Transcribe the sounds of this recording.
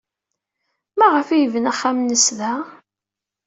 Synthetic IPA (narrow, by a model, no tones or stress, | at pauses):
mæʁəfijvənæχːamnəsðæ